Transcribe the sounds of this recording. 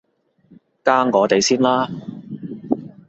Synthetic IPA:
kaː˥ŋkɔː˨˧t̪e˨jsiː˥nlaː˥

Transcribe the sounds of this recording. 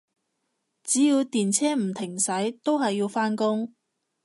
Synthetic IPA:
t͡siː˨˥jiː˧wt̪iː˨nt͡sʰɛː˥m̩˨˩t̪ʰɪ˨˩ŋsɐ˨˥jt̪o˥wɦɐ˨jːi˧wfaː˥nkʊ˥ŋ

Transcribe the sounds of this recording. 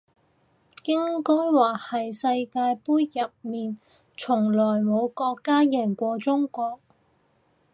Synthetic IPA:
kɪ˥ŋkɵ˥jwaː˨˩hɐ˨jsɐ˧jkaː˧jpuː˥jjɐ˨p̚miː˨n | t͡ʃʰʊ˨˩ŋlɔː˨˩jmo˨˧wkɔː˧kːaː˥jɛː˨˩ŋkʷɔː˧t͡sʊ˥ŋkɔː˧k̚

